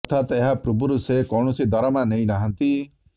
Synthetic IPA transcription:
t̪ʰat̪eɦapɾubuɾusekɔwɳ̃ɔsid̪ɔɾɔmanejnaɦant̪i

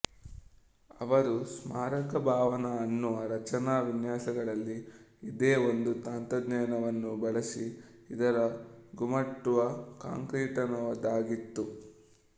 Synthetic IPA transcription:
ɐ̰ʋɐɾusmaːɾɐkɐbʱaːʋɐnɐːnːuʋɐɾɐt͡ʃɐnaːʋinjaːsɐɡɐɭɐlːiid̪eːond̪ut̪aːnt̪ɐd̪nɛːnɐʋɐnːubɐɭɐsi | id̪ɐɾɐɡumɐʈːuʋɐka̰ːŋkɾiːʈɐnɐʋɐd̪aːɡit̪ːu

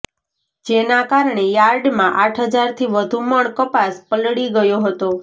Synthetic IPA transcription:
d͡ʒenakaɾɳejaɾɖmãʔaʈʰɦəd͡ʒaɾt̪ʰiʋəd̪ʱũməɳkəpaspəlɽiɡəjoɦət̪o

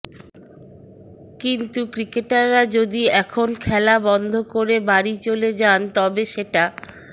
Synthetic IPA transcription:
kint̪ukɾikeʈaɾːad͡ʑod̪iɛkʰonkʰɛlabɔnd̪ʱokoɾebaɾit͡ɕoled͡ʑant̪ɔbeʃeʈa

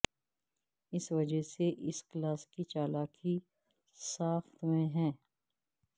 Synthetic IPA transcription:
ɪsʋɐd͡ʒəseʔɪsklaːskit͡ʃaːlaːki | saːxt̪mẽɦɛ̃ː

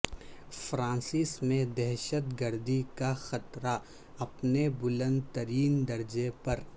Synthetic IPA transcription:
fɾãːsɪsmẽd̪ɛɦʃət̪ɡəɾd̪ikaxɐt̪ɾa | ɐpnebʊlə̃nd̪t̪əɾiːnd̪ɐɾd͡ʒepɐɾ

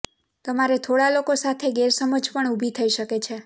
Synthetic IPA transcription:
t̪əmaɾet̪ʰoɽalokosat̪ʰeɡeɾsəməd͡ʒpəɳubʱit̪ʰəiʃəket͡ʃʰe

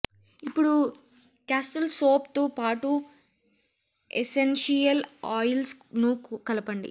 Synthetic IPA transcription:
ipːuɽu | kaːsʈɐlsoːpt̪opaːʈu | ḛsenʂijɐlaːjlsnukɐlɐpɐɳɖḭ

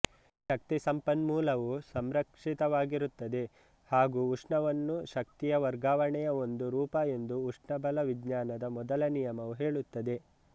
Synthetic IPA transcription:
ʃɐk̚t̪isɐmpɐnmuːlɐʋusɐmɾɐkʂit̪ɐʋaːɡiɾut̪ːɐd̪e̞ | haːɡuːuʂɳɐʋɐnːuʃɐk̚t̪ijɐʋɐɾɡaːʋɐɳɛjɐo̞nd̪uɾuːpɐe̞nd̪uːʂɳɐbɐlɐʋiɡɲaːnɐd̪ɐmɔd̪ɐlɐnijɐmɐʋuɦe̞ːɭut̪ːɐd̪e̞

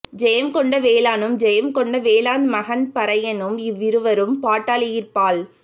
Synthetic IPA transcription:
d͡ʒɛjɐmkɔɳɖɐʋeːlaːnɯmd͡ʒɛjɐmkɔɳɖɐʋeːlaːnmɐɣɐnpɐɾɐjɐnɯmɪʋːɪɾɯʋɐɾɯmpaːʈːaːlɪjɪrpaːl

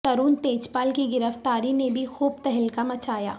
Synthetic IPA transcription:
t̪ɐɾuːnt̪eːt͡ʃpaːlkiɡɪɾəft̪aːɾinebʱixuːbt̪ɛɦɪlkamɐt͡ʃaːja̰ː

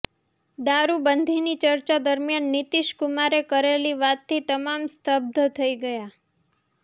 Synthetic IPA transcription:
d̪aɾubənd̪ʱinit͡ʃəɾt͡ʃad̪əɾmjanːit̪iʃkumaɾekəɾeliʋat̪t̪ʰːit̪əmamst̪ʰəb̚d̪ʱət̪ʰəiɡəja

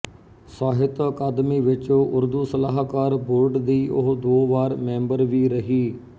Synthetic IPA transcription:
saːɦɪt̪əkaːd̪miːʋɪt͡ʃõːʔʊɾd̪uːsəlaːɦkaːɾboːɾɖd̪iːʔʊ̰ɦd̪oːʋaːɾmɛ̃ːmbəɾʋiːɾəɦiː

